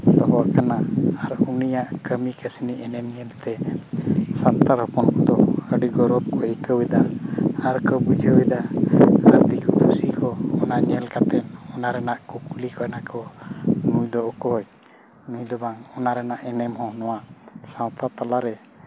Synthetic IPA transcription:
d̪ɔɦɔwakanaaɾunijaʔkəmikəsiniʔɛnɛmɲɛlt̪ɛ | sant̪aɾɦɔpɔnkɔd̪ɔəɖiɡɔɾɔb̚kɔikəwid̪aaɾkəbud͡ʒʱəwɛd̪aaɾb̪ikɔpʰusikʰɔɔnaɲɛlkat̪ɛnɔnaɾɛnaʔkukulikɔɛnakʰɔnujd̪ɔʔɔkɔj | nujd̪ɔbaŋɔnaɾɛnaʔɛnɛmɦɔ̃hɔnɔwasãwt̪at̪alaɾɛ

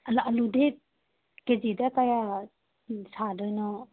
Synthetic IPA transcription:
alɐlude | ked͡ʒidakaja | sadɔjnɔ

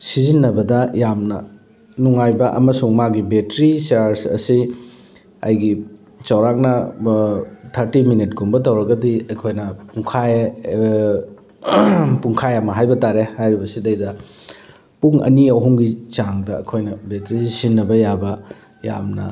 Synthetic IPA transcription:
sizinːɐbɐdɐjamnɐ̰ | nuŋajbɐʔɐ̰mɐsuŋmaɡibetɾisaɾsɐ̰si | ɐ̰jɡi | t͡ʃɐwɾak̚nɐ | tʰɐɾtiminitɡumbɐtɐwɾɐɡɐdiɐjkʰojnɐpuŋkʰa | puŋkʰajɐmɐɦajbɐtaɾehajɾibɐsidɐjdɐ | puŋɐ̰niɐwɦuŋɡit͡ʃaŋdɐɐ̰kʰojnɐbetɾisinːɐbɐjabɐ | ja̰mnɐ̰

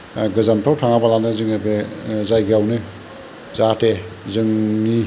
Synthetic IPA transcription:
ɡɯzamtʰawtʰaŋabalanɯzɯŋebezajɡeawnɯ | zatezɯŋni

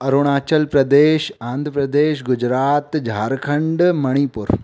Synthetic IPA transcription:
ɐɾuɽ̃aːt͡ʃɐlpɾɐd̪eːʃãːnd̪ʱɾəpɾɐd̪eːʃɡʊd͡ʒɾaːt̪d͡ʒʱaːɾkʰɐɳɖmɐɽ̃ipuɾ

